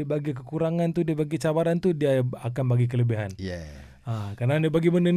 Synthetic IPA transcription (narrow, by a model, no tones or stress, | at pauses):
baɡikəkuɾaŋant̪udiabaɡit͡ʃabaɾant̪udiaakanbaɡik̬ələbiɦan | akarnadiabaɡiməndən